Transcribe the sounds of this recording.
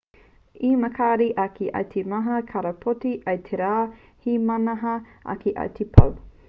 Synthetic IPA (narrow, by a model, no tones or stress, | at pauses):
imɐkʰaːɾiʔɐkʰiʔɐ̰wt̪ʰemɐɦɐkʰɐɾɐpʰotiʔɐjt̪ʰeɾaː | himɐnɐɦɐʔɐ̰kʰeʔɐ̰wt̪ʰepʰɐ̰w